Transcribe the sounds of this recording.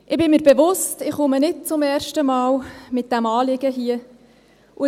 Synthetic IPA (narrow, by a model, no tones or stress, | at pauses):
ʔɪbɪmiːɾbeʋʊstɪχʊmənɪt̚t͡sʊmɛːɾʃtəmɑːwmɪt̚d̥æmɑːlɪɡ̥əɦiə | ʔʊ